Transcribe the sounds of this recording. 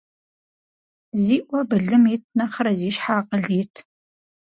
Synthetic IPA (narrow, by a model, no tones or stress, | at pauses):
ziːʔʷɔbɨɮɨmitʰnɐχɐɾɐziːʃħaːqəɮiːtʰ